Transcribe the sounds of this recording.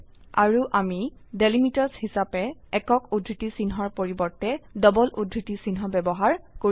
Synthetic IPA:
aɹuʔamidelimitɔɹshisapɛɛkɔkudɹitisinɦɔɹpoɹibɔɹtɛdɔbɔlʔudɹitisinɦɔbɛbɔɦaɹko

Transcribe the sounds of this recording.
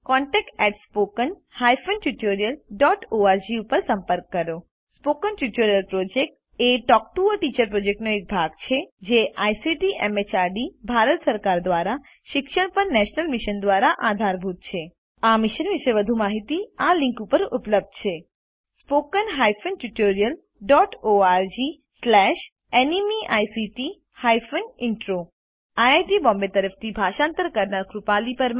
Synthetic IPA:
kɔɳʈɛk̚ʈɛʈspokənhajfənʈuʈoɾijəlɖɔʈoaɾd͡ʒiupəɾsəmpəɾkːəɾo | spokənʈuʈoɾijəlpɾod͡ʒek̚ʈ | eʈɔk̚ʈuəʈit͡ʃəɾpɾod͡ʒek̚ʈnoek̚bʱaɡt͡ʃʰed͡ʒeʔajsiʈiʔɛmet͡ʃaɾɖibʱaɾət̪səɾkaɾd̪ʋaɾa | ʃɪkʃəɽ̃pəɾnɛʃnəlmiʃənd̪ʋaɾaʔad̪ʱaɾbʱut̪̚t͡ʃʰe | amɪʃənʋɪʃeʋəd̪ʱumaɦit̪ialɪ̃ŋkupəɾupləb̚d̪t͡ʃʰe | spokənɦajfənʈuʈoɾijəl | ɖɔʈoaɾd͡ʒi | slɛʃ | enimiʔajsiʈi | hajfənɪɳʈɾo | ajajʈibɔmbet̪əɾəft̪ʰibʱaʃãnt̪əɾkəɾnaɾkɾupalipəɾm

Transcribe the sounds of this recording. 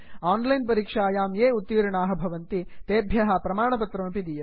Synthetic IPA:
aːnlɐjnp̬ɐɾiːkʂaːjaːmjeːut̪ːiːɾɐɳaːɦɐ̆bʱɐʋɐnt̪it̪eːbʱjɐɦɐpɾɐmaːɳɐp̬ɐt̪ɾɐmpid̪ijɐ

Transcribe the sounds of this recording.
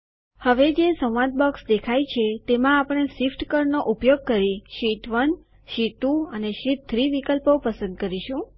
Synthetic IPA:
həʋed͡ʒesə̃w̃ʋãt̪̚bɔksd̪ekʰajt͡ʃʰet̪emãapəɽ̃esifʈkəɾnoʔupjoɡ̚kəɾiʃiʈʋən | ʃit̪ũəneʃit̪̚t̪ʰːɾiʋikəlpopəsə̃nd̪̚kəɾiʃũ

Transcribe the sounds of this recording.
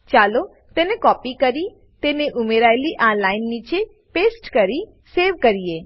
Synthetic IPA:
t͡ʃaːlo | t̪eːnekɔːpikəɾi | t̪eːneʔʊmeɾajliʔãːnlaːɪnːiːt͡ʃe | peːsʈkəɾi | seːɾʋkəɾije

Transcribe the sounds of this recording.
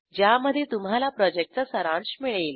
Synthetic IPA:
d͡ʑjaməd̪ʱːjet̪umɦalapɾɔd͡ʑek̚ʈ̚t͡səsəɾãɳɕmiɭel

